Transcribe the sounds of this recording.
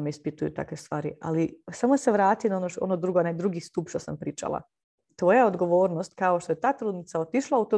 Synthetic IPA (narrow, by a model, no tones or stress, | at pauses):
mispit̪ujṵt̪a̰kʋest̪ʋaːɾia̰lisamoseʋɾaːt̪ijonaonoo̰nod̪ɾuɡonad̪ɾuɡist̪upʃt̪o̞sampɾiːt͡ʃa̰lˠa̰ | t̪ʋojaod̪ɡo̞ʋo̞ːɾnost̪kao̞ʃt̪o̞je̞t̪aːt̪ɾuːd̪nit̪saot̪iʃlˠaut̪o